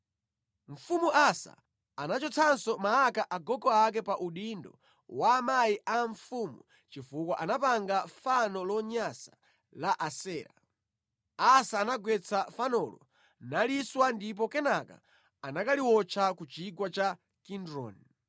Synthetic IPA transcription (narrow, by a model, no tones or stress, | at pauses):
ɱ̩fumuʔasa̰ | anat͡ʃɔt͡sʰansɔmaːkaʔaɡɔɡɔak̬ɛpaʔuɗindɔ̰ | waːmajiʔaɱfumṵ | t͡ʃifukwaʔanapaŋɡafanɔlɔɲasḁ | laʔasɛːɾa̰ | asaːnaɡwɛt͡sʰafanɔlɔ̰ | naliswandip̬ɔkɛnaka̰ | anakaliwɔt͡ʃʰakut͡ʃiɡwat͡ʃa | kindɾɔ̰n